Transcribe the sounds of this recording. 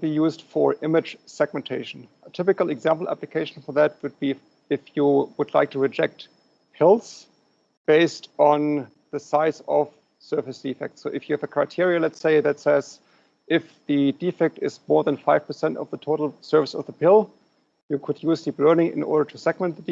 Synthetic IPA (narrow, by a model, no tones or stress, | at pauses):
bijuzd̥fə˞ʔɪmɨd̥ʒ̥sɛɡ̚mɨ̃ntʰeɪʃn̩ətʰɪpɨkl̩ˠɨɡzæ̃mpl̩ˠæ̰plɨkʰeɪʃn̩fə˞ðæt̚wɨd̚bi | ɪfjəwʊdˡla̰ɪk̚tʰɨɹɨd͡ʒɛk̚t | pʰɪlˠs | b̥eɪstn̩ | ðɨsaɪzʌv̥ | sɜ˞fɨsd̥ifɛ̰k̚tsoʊʔɨfjɨævɨkʰɹ̥aɪtʰɪɹiɨlɛtseɪðɨtsɛz̥ | ʔɪfðɨdifɛk̚tɪzmɔɹðə̃nfaɪv̥pʰə˞sɛ̃ntʌ̰vðətʰoʊɾl̩ˠsɜ˞vɨsʌvðəpʰɪlˠ | jɨkʰʊdjuztʰiplɜ˞nɪ̃ŋɪ̰̃nʔɔ̰ɹɾə˞tʰusɛɡmɛ̃n̚ðəd